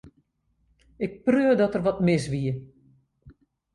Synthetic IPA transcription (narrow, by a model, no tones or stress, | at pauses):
ɪk̚prøədɔtərʋɔtmɪsʋiə